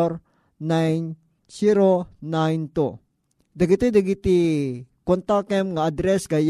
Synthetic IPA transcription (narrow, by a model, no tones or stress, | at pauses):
ɾ | najn | siɾonajnt̪u | d̪ɐɡit̪id̪aɡit̪ikont̪akɛmŋaad̪ɾɛsɡaj